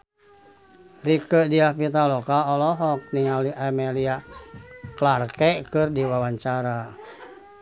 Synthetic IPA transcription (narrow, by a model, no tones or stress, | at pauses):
rikədiahpit̪alɔkaɔlɔɦɔk̚niŋaliʔamɛlia | klarkɛkɨrdiwawaɲt͡ʃaɾa